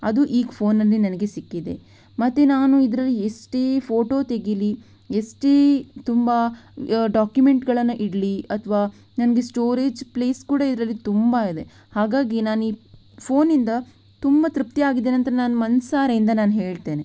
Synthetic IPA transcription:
ɐ̰d̪uʔiːɡpʰo̞ːnːɐlːinɐnɐɡe̞sikːid̪e̞̰ | mɐt̪ːenaːnuid̪ɾɐlːiesʈeːpʰo̞ːʈo̞ːt̪e̞ɡili | esʈeːt̪umbɐ | ɖaːkjumeɳʈɡɐɭɐnːɐʔiɽliɐt̪ʰʋaː | nɐnɐɡe̞sʈo̞ːɾeːd͡ʒple̞ːskuːɽɐid̪ɾɐlːit̪umbɐid̪e̞ | haːɡaːɡinaːniː | pʰo̞ːnind̪ɐ | t̪umbɐt̪ɾup̚t̪iaːɡid̪eːnɐnt̪ɐɾenaːnumɐnsaːɾeind̪ɐnaːnɦe̞ːɭt̪e̞ːne

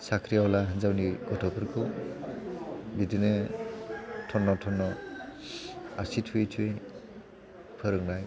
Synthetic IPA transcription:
sakʰɾijawlaɦɯnzawniɡɔtʰɔpʰɯɾkʰu | bidinɯ | tʰɔnːɔtʰɔnːɔ | asitʰuetʰue | pʰɯɾɯŋnaj

